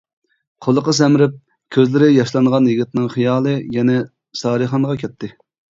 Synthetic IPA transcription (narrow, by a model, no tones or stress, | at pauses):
qʰolˠəqəs̬ɛmɾɪp̚ | kʲʰøzlɪɾɪjɑʃlˠɑŋʁɑnjiɡʲit̪nɪŋχijɑːlˠɨjɛnɛ | sɑːɾɨχɑnʁɑkʲʰɛt̪ʰːɪ